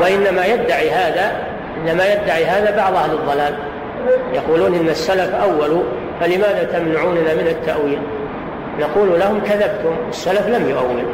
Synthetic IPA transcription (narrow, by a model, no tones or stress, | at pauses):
waʔɪnːamajad̪ːaʕiɦaːða | ʔɪnːamajad̪ːaʕiɦaːðabɑʕðˤʔahlɨðˤːɑlaːl | jɑquːluːnʔɪnːasːalafʔawːalu | falɪmaːðat̪amnaʕuːnnaːmɪnat̪ːaʔwiːl | naquːlulahʊmkaðabt̪ʊmwɪsːalaflamjʊʔawːɪl